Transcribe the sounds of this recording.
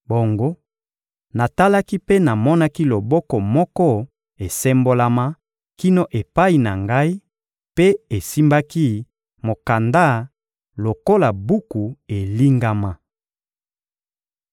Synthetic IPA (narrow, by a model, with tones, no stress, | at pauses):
bo˨ŋɡo˦ | na˨ta˦la˦ki˦pe˦na˨mɔ˦na˦ki˦lo˨bɔ˦kɔ˨mɔ˦kɔ˦ | e˨sɛ˦mbo˦la˦ma˦ | ki˦no˦ʔe˨pa˦i˨na˨ŋɡa˦i˦ | pe˦e˨si˦mba˦ki˦ | mo˨ka˨nda˦ | lo˨ko˦la˨bu˦ku˨e˨li˦ŋɡa˦ma˦